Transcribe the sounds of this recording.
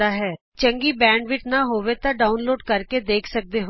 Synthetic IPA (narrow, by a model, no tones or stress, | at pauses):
aːɦɛː | t͡ʃəŋɡiːbɛ̃ːɳɖʋɪt͡ʃnaːɦoːʋet̪ãːɖaːʊnloːɖkəɾked̪eːkʰsək̚d̪eːɦo